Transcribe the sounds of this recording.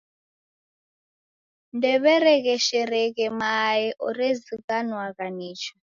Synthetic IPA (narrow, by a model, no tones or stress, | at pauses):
ndɛβɛɾɛkɛʃɛɾɛkɛmajɛʔɔɾɛzikanwakaniːt͡ʃʰḁ